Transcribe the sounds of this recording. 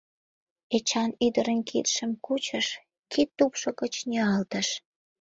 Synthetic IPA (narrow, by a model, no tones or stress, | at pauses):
et͡ɕɑnyd̪əɾənkʰḭt̪ʃəmkut͡ɕəʃ | kit̪ːupʃokət͡ɕnʲiɑlt̪əʃ